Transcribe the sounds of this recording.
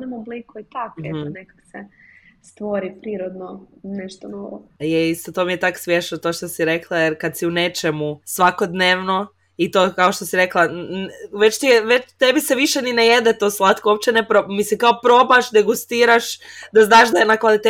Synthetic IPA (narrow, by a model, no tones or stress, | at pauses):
nemoblikoit̪akɛnekakse | st̪ʋoɾipɾiːɾod̪noneʃt̪onoʋojeist̪ot̪omijet̪aksʋjeʃnot̪o̞ːʃt̪o̞siɾe̞klˠajeɾkad̪siune̞t͡ʃemusʋako̞d̪neːʋno̞ | it̪oːkaoʃt̪o̞siɾe̞klˠanʋe̞t͡ʃt̪ieʋet͡ʃt̪ebiseʋiʃenineje̞d̪et̪o̞slˠat̪koop̚t͡ʃenepɾomisikaopɾo̞baʃd̪e̞ɡust̪iːɾaʃd̪aznaːʃd̪aenakʋalit̪e